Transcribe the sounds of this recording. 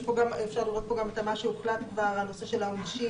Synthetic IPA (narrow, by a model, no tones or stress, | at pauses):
poɡamefʃaʁliʁo̞t̚poɡamet̪amaʃeuχlat̪kvaʁalnose̞ʃelaonʃi